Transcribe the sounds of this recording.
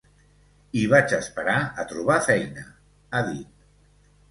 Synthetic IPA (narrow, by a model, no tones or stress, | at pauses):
iβ̞at͡ʃəspəɾaət̪ɾuβ̞afɛjnə | aðit̪̚